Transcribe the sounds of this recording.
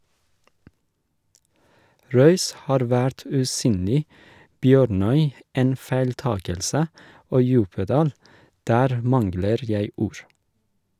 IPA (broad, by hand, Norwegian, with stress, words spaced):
ˈɾœʏs ˈhɑːɾ ˈʋæɾt ʉːˈsyːnlɪ ˈbjøːɾˌnœʏ ˈeːn fæɪlˈtɑːkəlsə ˈoː ˈjʉːpəˌdɑːl ˈdæːɾ ˈmɑnɡləɾ ˈjæɪ ˈuːɹ